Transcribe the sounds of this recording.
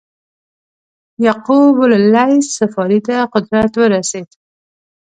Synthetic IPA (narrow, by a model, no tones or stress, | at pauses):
jaqubʊllːajssafɑɾit̪aqʊd̪ɾat̪wəɾased̪̥